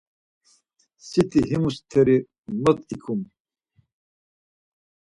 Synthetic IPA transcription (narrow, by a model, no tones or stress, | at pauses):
sit̪ʰiɦimust̪ʰɛɾi | nɔt̪ʼikʰum